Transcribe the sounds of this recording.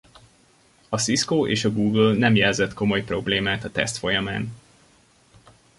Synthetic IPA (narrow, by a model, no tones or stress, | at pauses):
ɒsiskoːʔeːʃɒɡuːɡølnɛmjɛlzɛt̪ko̞mo̞jpro̞bleːmaːt̪ɒt̪ɛ̰st̪fo̞jɒmaːn